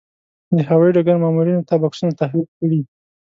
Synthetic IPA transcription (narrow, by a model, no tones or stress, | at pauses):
d̪əhawajiɖaɡaɾmaːmuɾinot̪abaksunat̪axlik̚kəɽi